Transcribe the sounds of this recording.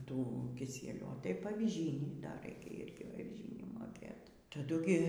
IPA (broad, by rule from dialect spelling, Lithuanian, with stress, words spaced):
ˈtuː kʲɪˈsʲiɛlʲuː oː tɐɪp ɐʋʲɪˈʒʲiːnʲiː dɐr ˈrɐɪkʲɛ ˈɪrʲɡʲɪ ɐʋʲɪˈʒʲiːnʲiː moːˈkʲeːt tɐˈdʊ ɡʲɪ